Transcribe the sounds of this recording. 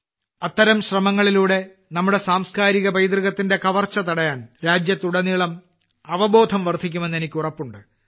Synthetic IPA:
ɐt̪ːɐɾɐmɕrɐmɐŋːɐɭiluːɽe̞ | nɐmːuɽe̞saːmskaːɾiɣɐbɐjd̪rɨɣɐt̪ːinde̞kɐʋɐrt͡ɕːɐt̪ɐɽɐjaːnɾaːd͡ʑjɐt̪ːuɽɐniɭɐm | ɐʋɐbo̞ːd̪ʱɐmʋɐrd̪ʱik̬ʲːume̞nːe̞nikʲːurɐpːuɳɖɨ

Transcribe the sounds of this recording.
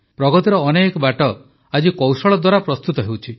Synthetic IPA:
pɾɔɡɔt̪iɾɔːnekɔbaʈɔ | ad͡ʒikɔwsɔɭɔd̪waɾapɾɔst̪ut̪ɔɦewt͡ʃʰi

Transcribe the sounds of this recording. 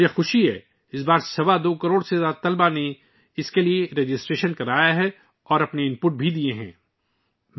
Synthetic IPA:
exʊʃiɦɛ̰ː | ɪsbaːɾsɐʋad̪oːkɐɾoːɽsezaːt̪ɐlbane | ɪskelieɾed͡ʒɪsʈɾeːʃənkɐɾaːjaɦɛ | ɔːɾɐpneɪ̃mpʊʈ̚bʱid̪ieɦɛ̰̃ː | m

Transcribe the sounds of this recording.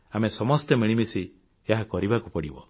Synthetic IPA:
amesɔmɔst̪emiɭ̃imisi | eɦakɔɾibakupɔɽibɔ̰

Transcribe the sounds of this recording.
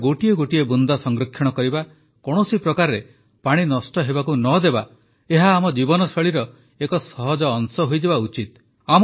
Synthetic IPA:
ɡoʈieɡoʈiebund̪asɔŋɡɾɔkʰːjɔɽ̃ɔkɔɾiba | kɔɽ̃ɔsipɾɔkaɾɾe | paɽ̃inɔsʈɔɦebakunɔd̪eba | eɦaːmɔd͡ʒibɔnɔsɔɭiɾɔ | ekɔsɔɦɔd͡ʒɔːŋsɔɦojd͡ʒebaut͡ʃit̪ | am

